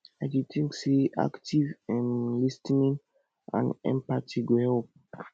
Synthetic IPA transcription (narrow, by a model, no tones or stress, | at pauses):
aditʰĩŋkseʔa̰ktivɛ̃mlistnĩŋ | ã̰nɛ̰̃mpatʰiɡohɛlp̚